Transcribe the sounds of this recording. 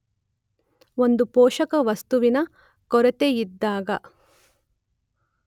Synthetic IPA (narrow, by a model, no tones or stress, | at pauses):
o̞nd̪upoːʃɐkɐʋɐst̪uʋinɐ | kɔɾɛt̪eid̪ːaːɡɐ